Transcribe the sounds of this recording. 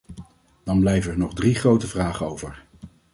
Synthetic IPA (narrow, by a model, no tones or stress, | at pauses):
d̥ɑnblɛjvənɛɹnɔχdriχrowtəvraːχənowvəɹ